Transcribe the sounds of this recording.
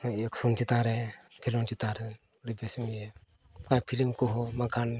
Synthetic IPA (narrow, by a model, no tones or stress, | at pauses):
eksunt͡ʃit̪aːɾekʰilont͡ʃit̪aːɾe | ɾibesmiekaːpʰilimkoɦomɐkaːn